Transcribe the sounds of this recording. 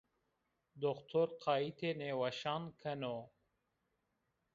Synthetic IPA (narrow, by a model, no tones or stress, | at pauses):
d̪oxt̪ʰoɾqʰɑːit̪ʰenewaʃɑːnkʰɐno